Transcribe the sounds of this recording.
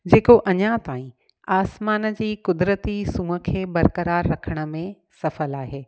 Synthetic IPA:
d͡ʑeːkoʔɐɲãt̪aːĩ | aːsmaːnd͡ʑiːkʊd̪ɾət̪isũːə̆kʰeːbɐɾkəɾaːɾːɐkʰəɽ̃ə̆mẽ | sɐfəlaːɦeː

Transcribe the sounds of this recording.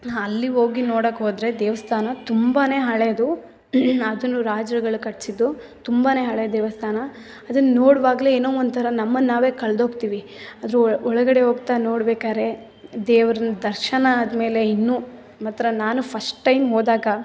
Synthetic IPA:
ɐlːiɦo̞ːɡinoːɽɐkːɦoːd̪ɾe̞d̪eːʋɐst̪ʰaːnɐt̪umbaːne̞ːɦɐɭeːd̪u | ɐd̪ɐnːuɾaːd͡ʒɾɐɡɐɭukɐʈsid̪ːu | t̪umbaːne̞ːɦɐɭed̪eːʋɐst̪ʰaːnɐ | ɐd̪ɐnːɐnoːɽʋaːɡleeːnoːond̪̚t̪ʰɐɾɐnɐmːɐnːaːʋe̞ːkɐɭɐd̪ɦoːɡt̪iːʋi | ɐd̪ɐɾuɔɭɐɡɐɽe̞ɦoːɡ̚t̪aːnoːɽbeːkaːɾe̞ | d̪eːʋɐɾɐnɐd̪ɐɾʃɐnɐːd̪ɐme̞ːle̞inːu | mɐt̪ːɾɐnaːnupʰɐsʈʈːɐjmɦoːd̪aːɡɐ

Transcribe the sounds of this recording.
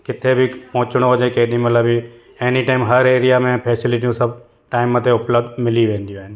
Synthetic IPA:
kɪt̪ʰebʱipɔ̃ɦʊ̃t͡ʃɽ̃oɦoːd͡ʒẽkeːɗĩmət̪ləbi | eːniʈaːɪmɦɐɾeːɾijamẽpʰeːsɪlɪʈ̬iũsɐb̚ʱ | ʈaːɪmət̪ʰeʊpləb̚d̪mɪliʋẽːnd̪ijũɦɪnɪ̆

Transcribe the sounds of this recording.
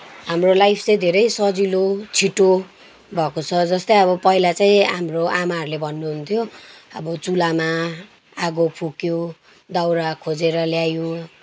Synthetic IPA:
ɦamrolajpʰt͡sej̃d̪ʱeɾʌjsʌd͡zilot͡sʰiʈo | bʱʌkot͡sʰʌd͡zʌst̪ʌjʌβʌpʌɦilat͡saĩɦamroʔamaɦʌɾulebʱʌnːuɦunt̪ʰjoʌbʌt͡sulama | aɡopʰukjo | d̪awɾakʰod͡zeɾʌljajo

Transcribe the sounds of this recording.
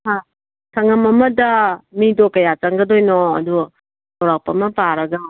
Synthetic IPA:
ha | sʰɐŋɐmɐmɐdɐmidokɐjat͡ʃɐŋɡɐdojnɔɐ̰du | towɾak̚pɐmɐpaɾɐɡɐ

